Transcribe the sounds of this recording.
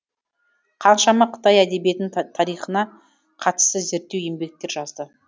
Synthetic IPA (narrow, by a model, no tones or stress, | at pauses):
qʰɑnʃɑmɑqʰə̥t̪ɑjæd̪e̞bije̞t̪ɪnɪt̪ʰɑɾijχənɑ | qʰɑt̪ə̥st̪əze̞ɾt̪ːewe̞mbe̞k̚t̪e̞ɾʒɑzd̪ə